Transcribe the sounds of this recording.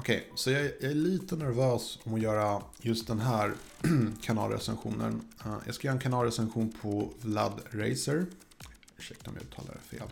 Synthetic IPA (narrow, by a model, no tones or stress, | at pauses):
ɔkʰɛjsɔjɑæjɑæɭiːt̪ənæɾvøːsɔmɔjœːɾajɵst̪̚d̪ɛnɦæːɾkʰanɑ̰ːlɾɛ̰sɛnɧuːnə̰njɑ̰ːɡskajœːɾɛnkʰanɑːlɾɛsɛnɧuːnpʰɔvla̰d̪ɾɛjsəɾ | ɵʂɛk̚t̪ɔ̰mjaʉ̟ːt̪ʰɑ̰ːla̰ɾɛ̰fḛːl